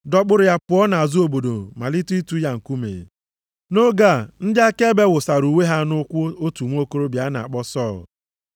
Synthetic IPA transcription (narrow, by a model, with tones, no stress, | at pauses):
dɔ˦k͡pʊ˦ɾʊ˨ja˦pʊ˨ɔ˦na˨a˨zu˦o˨bo˨do˨ma˨li˦tu˦i˦tu˦ja˦ŋ̩˨ku˦mḛ˨ | no˦ɡa˦˨n̩˦da˦ke˦be˦wʊ˨sa˨ɾu˨we˦ɦa˦nʊ˦kʷʊ˦o˦tu˨ŋʷ˦o˦ko˦ɾo˦bja˦na˨a̰˨k͡pɔ˦sɔ˦˨l